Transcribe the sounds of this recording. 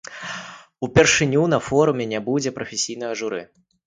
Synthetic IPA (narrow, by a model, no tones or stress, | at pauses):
upʲɛrʂɨnʲun̪ɐfɔɾumʲɛnʲabud͡zʲɛpɾɐfʲesʲijn̪ɐjɐʐuɾɨ̰